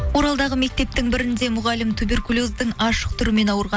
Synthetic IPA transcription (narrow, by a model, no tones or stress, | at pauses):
wo̞ɾɑlˠd̪ɑʁəme̞k̚t̪e̞p̚t̪ɪŋbɪɾɪnd̪e̞mʊʁɑlɪmt̪ʰube̞rkulʲuzd̪əŋɑʃə̥q̚t̪ʰʏɾɪme̞nɑwəɾʁɑ